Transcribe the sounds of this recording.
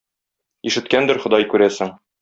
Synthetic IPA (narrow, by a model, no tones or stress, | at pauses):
iʃɘ̆t̪kænd̪ɘɾχŏd̪ɑjkʉɾæsɘŋ